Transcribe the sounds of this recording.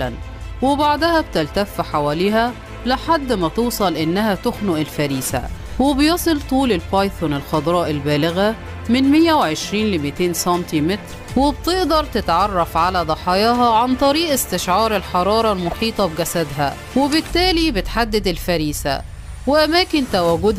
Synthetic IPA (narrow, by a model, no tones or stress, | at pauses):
læn | wɪbaʕd̪æhæbt̪ælt̪æfːħawæːliːɦæ | lɪħad̪ːmæt̪uːsˤɑlʔɪnːæhæt̪ʊxnʊʔɪlfæɾiːsæ̰wɪbjɑsˤɨlt̪ˤuːlɪlpɑjθonɪlxɑd̪ɾˤɑːʔɪlbæːlɪɣæ | mɪnmɪjːæweʕeʃɾiːnlɪmit̪eːnsɑnt̪imɪt̪ɾ | wɪbt̪ɪʔd̪ɑɾˤt̪ɪt̪ʕɑrˤːɑfʕalæd̪ˤɑħɑjɑːɦɑʕant̪ˤɑɾiːʔɪst̪ɪʃʕɑːɾˤelħɑɾˤɑːɾˤɑlmoħiːt̪ˤɑbɡæsæd̪ɦæ̰ | wɪbɪt̪ːæːlibɪt̪ħad̪ːɪd̪ɪlfæɾiːsæ̰ | wɪʔæmæːkɪnt̪æwæːɡʊd̪